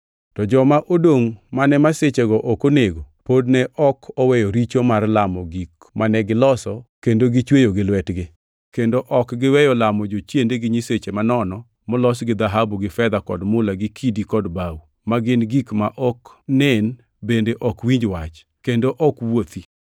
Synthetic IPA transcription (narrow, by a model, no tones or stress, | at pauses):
tɔd͡ʒɔmaʔodoŋmanɛmaset͡ʃeɡɔʔɔkoneɡo | podnɛʔɔkʰɔwɛjɔɾit͡ʃomarlamɔɡik | manɛɡɪlɔsɔkendoɡɪt͡ʃwejoɡɪlwɛtɡɪ | kendoʔɔkɡɪwɛjɔlamɔd͡ʒot͡ʃjendeɡɪɲiset͡ʃemanɔnɔ | mɔlɔsɡɪd̪aɦabuɡɪfɛd̪akɔdmʊlaɡɪkʰidikɔdbawu | maɡɪnɡikmaʔɔknɛn | bendeʔɔkwiɲd͡ʒwat͡ʃ | kendoʔɔkwot̪i